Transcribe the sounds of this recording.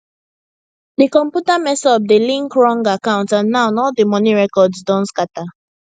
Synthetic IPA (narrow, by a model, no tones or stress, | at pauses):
dikɔ̃mpjutamɛsɔbdelĩŋkɹɔ̃ŋɡakãʊ̃ntãnːãʊ̃nɔldimɔniɹɛkɔdsdɔ̃ntskata